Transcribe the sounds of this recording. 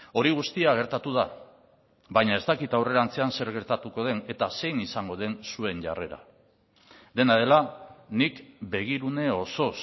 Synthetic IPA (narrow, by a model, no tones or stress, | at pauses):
o̞ɾiɣ̞ust̪iaɣ̞e̞ɾt̪at̪uð̞a | βajɲae̞st̪akit̪awre̞ɾant͡se̞anse̞ɾɣe̞ɾt̪at̪uko̞ð̞e̞ne̞t̪ase̞jnisaŋɡo̞ðe̞nsue̞ɲʝa̰re̞ɾa̰ | d̪e̞nað̞e̞lanikbe̞ɣ̞iɾune̞o̞so̞s